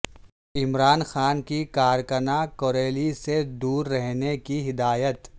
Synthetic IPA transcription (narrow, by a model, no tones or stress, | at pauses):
ɪmɾaːnxaːnkikaːɾkənakoːɾeːlised̪uːɾːɛɦnekiɦɪd̪aːjət̪